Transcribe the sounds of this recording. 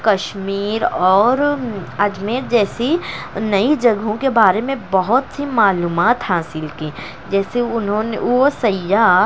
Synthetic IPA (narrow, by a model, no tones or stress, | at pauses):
kɐʃmiːɾɔːɾɐd͡ʒmeːɾd͡ʒɛːsinɐid͡ʒɐɡɦõkebaːɾemẽbɐɦʊt̪simaːluːmaːt̪haːsɪlkiː | d͡ʒɛːseʊnɦõneʋosɐja